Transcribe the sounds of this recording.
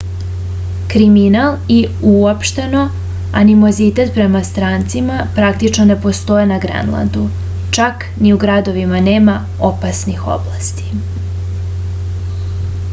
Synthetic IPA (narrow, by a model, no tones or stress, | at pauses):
kɾiminaliuopʃt̪e̞no̞ | a̰nimo̞zit̪e̞t̪pɾe̞mast̪ɾaːnt̪simapɾak̚t̪it͡ʃno̞ne̞po̞st̪o̞jenaɡɾḛnlˠa̰nd̪u | t͡ʃak | niuɡɾad̪o̞ʋimaneːma | opasnixo̰blast̪i̥